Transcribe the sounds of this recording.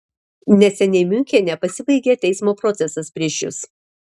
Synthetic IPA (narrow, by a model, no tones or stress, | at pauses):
nʲɛsʲɛnʲɛɪmʲʊŋʲkʲeːnʲɛpɐsʲɪbɐɪɡʲeːt̪ʲɛɪsmoːpɾɔt̪sʲɛsɐspʲɾʲiɛʃʲjʊ̰s